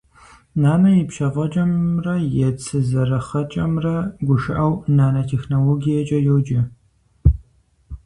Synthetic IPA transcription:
naːnɐjɪpʃɐʁɐt͡ʃʼɐmrɐjɛt͡sʰʼɨzɐɾɐχɐt͡ʃʼɐmrɐɡʷʊʃɨʔɐwnaːnɐtʰeːxnoːloːɡijɐt͡ʃʼɐjowd͡ʒɪ

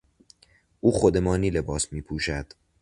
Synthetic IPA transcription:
ʔuːxod̪emɒːniːle̞bɒːsmiːpʰuːʃæd̪̥

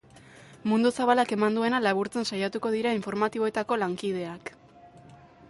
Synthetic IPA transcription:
mund̪usaβalake̞mand̪ue̞nalaβuɾt͡sensajat̪uko̞ðiɾaiɱfo̞ɾmat̪iβo̞e̞t̪ako̞laŋkið̞e̞ak

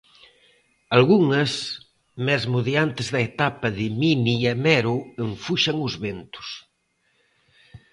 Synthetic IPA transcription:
alɣuŋɐs | mɛzmuðjant̪ɪzðɐet̪apɐðɪminiamɛɾʊeɱfuʃɐŋʊzβent̪ʊ̥s

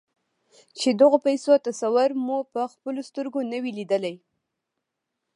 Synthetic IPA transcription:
t͡ʃed̪əɣopajsot̪asawʊɾmupəxpəlost̪əɾɡonəwilid̪əlaj

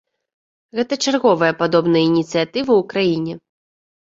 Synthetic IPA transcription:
ɣɛt̪ɐt͡ʂarɣɔvɐjɐpad̪ɔbnɐjɐinʲit̪sɨjat̪ɨvɨwkɾajinʲɛ

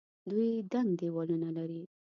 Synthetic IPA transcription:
d̪ujd̪aŋɡd̪ewɑlunalaɾi

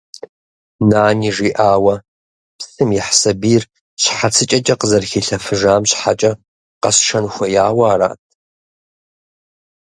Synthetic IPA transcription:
naːniːʐiːʔaːwɐ | psɨmjɪħsɐbiːr | ɕħat͡sʰɨt͡ʃʼɐt͡ʃʼɐqəzɐrxiːɬɐfɨʒaːmɕħat͡ʃʼɐ | qɐsʂɐnxʷɐjaːwaːɾa̰ːtʰʼ

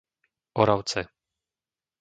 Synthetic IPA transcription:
ʔɔɾawt͡sɛ

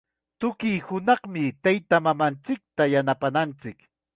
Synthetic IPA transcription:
t̪ʊkijhʊnɑχmɪt̪ajt̪amamant͡sɪk̚t̪ajanapanant͡sɪk

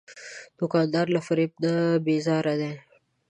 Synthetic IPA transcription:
d̪̥ʊkɑ̃ːnd̪ɑːɾlafaɾip̚d̪abezɑːɾad̪e

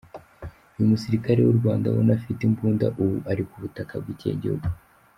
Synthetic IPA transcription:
ujumusiɾikaɾe̞wuɾɡwaːnda̰wo̰nafitimpuːnda̰ʔuwuʔaɾikuβutakab̚ɡicḛɟḭhṵɡu

